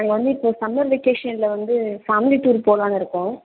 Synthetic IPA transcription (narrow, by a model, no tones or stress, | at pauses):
aːŋɡɐʋɐnd̪ɯɪpːoːsɐmɐɾʋɛkeːʂɐnlɐʋɐnd̪ɯsaːmɪliʈːuːɾpoːlaːnɐɪɾɯkːʊ̃ː